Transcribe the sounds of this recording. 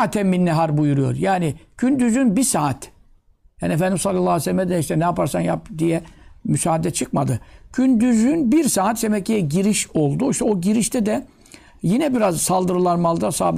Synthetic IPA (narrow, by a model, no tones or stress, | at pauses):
t̪ʰɛmːinːɛɦaɾbujuɾujo̞̰ɾjaːnɪɟ̥ynd̪yzynbisaːat̪ | ha̰niefænd̪imsalˠalːˠaːesɛlʲmɛd̪ɛiʃt̪ɛnɛjapaɾsanja̰p̚d̪ijɛmysaːd̪ɛt͡ʃʰɯkmad̪ɯɟ̥ʰynd̪yzynbiɾsaːt̪d̪emɛcʰːijɛɟiɾiʃo̞lˠd̪uiʃt̪ʰɛo̞ɟiɾiʃt̪ʰɛd̪ɛ | jinɛbiɾazsalˠd̪ɯɾɯlˠanmalˠd̪asa̰ːb